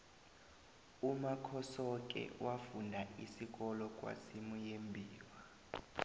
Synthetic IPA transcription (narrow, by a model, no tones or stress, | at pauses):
umakʰɔsɔk̬ʼɛ̰wʔafundʱaisik̬ɔlɔkʼwa̰simujembʱiːwa